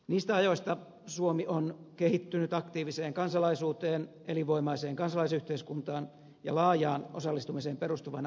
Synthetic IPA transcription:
niːst̪æɑjoist̪ɑ | suomionkehit̪ːynyt̪ɑkt̪iːʋiseːŋkɑnsɑlɑisuːt̪eːn | eliʋoimɑiseːŋkɑnsɑlɑisyht̪eiskunt̪ɑːn | jɑ̰lɑːjɑːnosɑlːist̪umiseːmperust̪uʋɑn

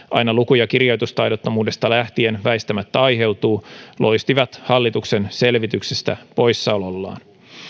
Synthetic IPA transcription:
ʔɑ̰jnɑlukujɑkirjo̞jt̪ust̪ɑjdo̞t̪ːomuːde̞st̪ɑlæht̪ie̞nʋæjst̪æmæt̪ːæɑjɦe̞wt̪uːlʔo̞jst̪iʋɑt̪hɑlːit̪ukse̞nse̞lʋit̪yksest̪æ̰po̞jsːɑololːɑ̰ːn

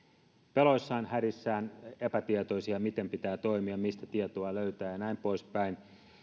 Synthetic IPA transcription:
pelo̞isːɑːnhæɾisːæːne̞pæt̪iet̪o̞isiɑmit̪e̞mpit̪æːt̪o̞imiɑmist̪æt̪iet̪oɑløyɥt̪æːjɑnæimpo̞ispæin

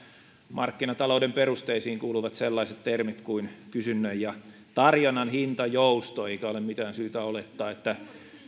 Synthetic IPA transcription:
mɑrkːinɑt̪ɑloudemperust̪eisiːŋkuːluʋɑt̪selːɑiset̪t̪ermit̪kuinkysynːøjjɑ | t̪ɑrjonːɑnhint̪ɑjoust̪oeikæolemmit̪æːnsyːt̪æolet̪ːɑːet̪ːæ

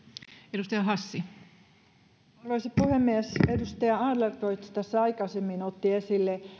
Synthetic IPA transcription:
edust̪ɑjɑɦɑsːi | ʋesipuhemːiesedust̪ɑjɑɑːdlert̪oit̪st̪æsːæɑikɑsemːinot̪ːiesilːe

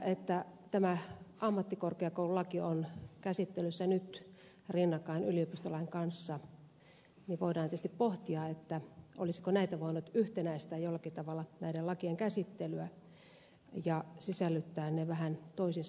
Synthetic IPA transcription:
et̪ːæt̪æmæɑmːɑt̪ːikorkeɑkoululɑkionkæsit̪ːelysːænyt̪ | rinːɑkɑinyliopist̪olɑiŋkɑnsːɑ | niʋoiɾɑnːiyæst̪ippoht̪iɑet̪ːæʔo̰lisi̥konæit̪æʋoˑinut̪yht̪enæist̪æːjolːɑkit̪ɑʋɑlːɑnæidelɑkieŋkæsit̪ːelyæ | jɑsisælːyt̪ːæːnneʋæhænt̪oisins

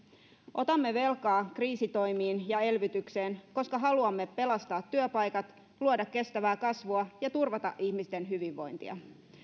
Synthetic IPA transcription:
ʔo̞t̪ɑmːe̞ʋe̞lkɑːkriːsit̪o̞jmiːnjɑe̞lʋyt̪ykse̞ːnko̞skɑɦɑluɑmːe̞pe̞lɑst̪ɑːt̪ːyøpɑjkɑt̪ | luodɑkːe̞st̪æʋæːkɑsʋuɑjɑt̪urʋɑt̪ɑ̰ʔihmist̪e̞nɦyʋiʋːo̞jnt̪ḭɑ̰

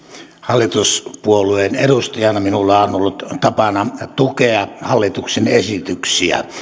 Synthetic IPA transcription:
hɑlːit̪uspuolueneɾust̪ɑjɑnɑminulːɑonolːut̪t̪ɑpɑnɑt̪ukeɑhɑlːit̪uksenesit̪yksiæ̰

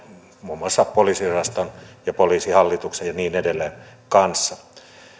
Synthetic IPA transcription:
muːmːoɑsːɑppoliːsirɑst̪onjɑpoliːsihɑlːit̪uksejjɑniːnedelːˑekɑnsːɑ

